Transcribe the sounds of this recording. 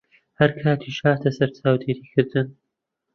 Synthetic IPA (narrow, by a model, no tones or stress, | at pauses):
hɐɾkʰaːt̪ʰiːʃaːt̪ʰɐsɐɾt͡saːwd̪eːɾiːkʰɨɾd̪ɨn